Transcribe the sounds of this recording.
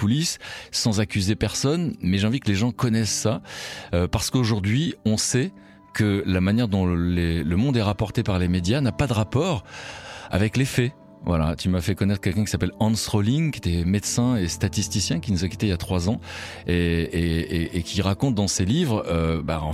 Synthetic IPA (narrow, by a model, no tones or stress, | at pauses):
ulisːɑ̃zakʲyzepɛʁsɔnmɛʒeɑ̃vikəleʒɑ̃kɔnɛsːaøpaʁsə̥koʒuʁd̪ɥiɔ̃sɛ | kəlamanjɛʁd̪ɔ̃leləmɔ̃d̪ɛʁapɔʁt̪epaʁlemed̪janapad̪əʁapɔːʁ | a̰vɛklefɛ | vwala̰t̪ymafɛkɔnɛt̪χəkɛlkʲɛ̃kisapɛlɑ̃sʁoliŋkʲjet̪ɛmed̪sɛ̃est̪at̪ist̪isjɛ̃kʲinuzakʲi̥t̪eijat̪χwazɑ̃ | eeeːkʲʰiʁakɔ̃t̪̚d̪ɑ̃selivʁøba̰ɑ̃